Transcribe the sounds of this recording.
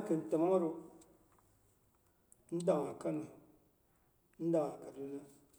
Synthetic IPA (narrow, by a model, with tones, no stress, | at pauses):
ke˨n̩˨te˨ma˦a˦ɾu˦ | n̩˦da˨ŋ˨a˨ka˦n˦e˨ | n̩˦da˨a˨ka˨du˦na˦